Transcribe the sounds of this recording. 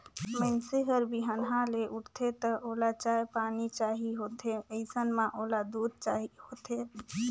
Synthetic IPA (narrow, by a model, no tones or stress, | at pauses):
məɪnseɦəɾbiɦənɦãleʔuʈʰt̪ʰet̪əʔolat͡ʃaepanit͡ʃaɦiɦot̪ʰeəɪsənmãʔolad̪ud̪̚t͡ʃaɦihot̪ʰe